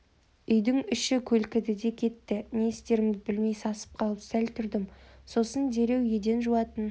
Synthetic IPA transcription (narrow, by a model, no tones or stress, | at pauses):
ʏjd̪ɪŋʏʃɪkʲʰɵlkʲɪd̪ɪd̪e̞kʲʰe̞t̪ːɪnest̪e̞ɾɪmd̪ɪbɪlme̞jsɑsə̥p̚qʰɑlˠəpsælt̪ʰʏɾd̪ɪmso̞sənd̪e̞ɾe̞wje̞d̪e̞nʒuwɑt̪ən